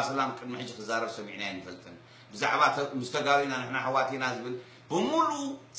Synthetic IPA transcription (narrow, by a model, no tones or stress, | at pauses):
sɐlamkʼɨd̪miħɨd͡ʒːikʰɨzaɾɐβsɐmḭʕnajɛnːɨfɐlt̪ʰɨn | bɨza̰ʕβamɨzɨt̪ʰɐɡaɾinanɨħnaħɨwat̪ʰinazɨβɨl | b̥ɨmulut͡sʼ